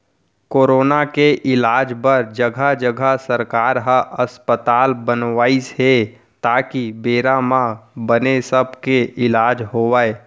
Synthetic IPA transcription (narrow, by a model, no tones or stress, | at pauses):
koːɾoːnakeʔɪlaːd͡ʒbəɾd͡ʒəɡʱad͡ʒəɡʱasəɾkaːɾɦəʔəspət̪aːlbənʋaːisɦe | t̪aːkibeːɾamãbənesəb̚ʱkeʔɪlaːd͡ʒɦoːʋae